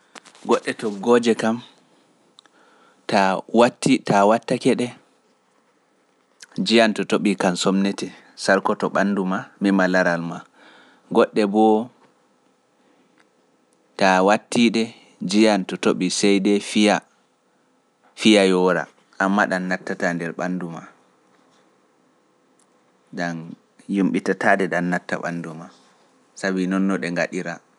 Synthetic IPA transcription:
ɡɔɗːɛtɔɡɔd͡ʒɛkam | tawatːitawatːakɛɗɛ | d͡ʒijantɔtoɓikansɔmnɛtɛ | saɾkɔtɔɓandumamɛmalaɾalma | ɡɔɗːɛbɔ | tawatːiɗɛ | d͡ʒijantɔtoɓisɛjdɛfija | fijajɔɾa̰ | ʔamːaɗanːatːatandɛɾɓanduma | ɡan | jumɓitatadɛɗanːatːa̰ɓa̰nduma | sabinɔnːɔɗɛŋɡaɗiɾa

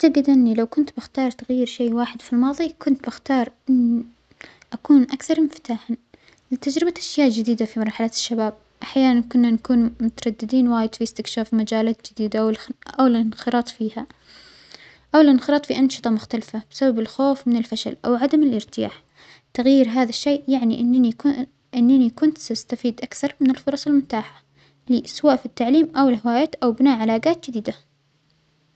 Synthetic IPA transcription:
aʕt̪aɡɪd̪ʔɪnːilawkʊnt̪bɪxt̪ɑːɾˤt̪aɣjiːɾʃeːwaːħɪd̪filmɑːðˤikʊnt̪bɪxt̪ɑːɾˤʔɪnː | ʔakuːnʔakθɑɾˤmɪft̪aːħa | lɪt̪ad͡ʒɾɪbaʔaʃjaːʔd͡ʒɪd̪iːd̪afimɑɾˤħalat̪ɪ̥ʃːabaːb̚ | ʔaħjaːnankʊnːanakuːnmʊt̪ɑɾˤɑd̪ːɪd̪iːnwaːjɪd̪fiɪst̪ɪkʃaːfmad͡ʒaːlaːt̪d͡ʒɪd̪iːd̪aʔwʔawɪlɪnxɨɾɑːt̪ˤfiːha | ʔawɪlʔɪnxɪɾɑːt̪ˤfiʔɑnʃɨ̥t̪ˤɑmʊxt̪alfabɪ̥sababɪlxoːfmɪnɪlfaʃa̰lʔa̰wʕad̪amɪlʔɪɾt̪ɪja̰ːħ | t̪aɣjiːɾɦaːðaʃːejːʔjaʕniʔɪnːi | ʔɪnːanikʊnt̪sast̪afiːd̪ʔakθɑɾˤmɪnɪlfʊɾˤɑsˤɪlmʊt̪aːħa | lɪʔaswaːʔfit̪ːaʕliːmʔawɪlɦɪwaːjaːt̪ʔawbɪnaːʔʕalaːɡaːt̪̚d͡ʒɪd̪iːd̪a

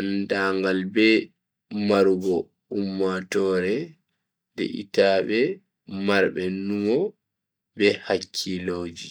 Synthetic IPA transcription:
andaːŋɡalbɛ | maɾuɡɔ | umːatɔːɾɛ | dɛ̰ʔḭtaːbɛ | maɾbɛnumɔ | bɛhakʰːilod͡ʒi

